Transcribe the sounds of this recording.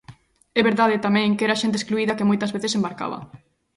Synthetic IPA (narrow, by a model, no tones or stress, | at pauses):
ɛβeɾðaðɪt̪amɛ̃ŋkɛɾaʃẽnt̪̬eskluiðɐkemojt̪ɐzβeθɪsembaɾka̰βɐ̰